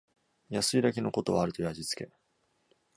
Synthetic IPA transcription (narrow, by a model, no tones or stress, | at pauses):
jasɨid̪ake̞no̞ko̞t̪o̞βaːɾɯ̟t̪o̞jaʑit͡sɨ̥ke̞̰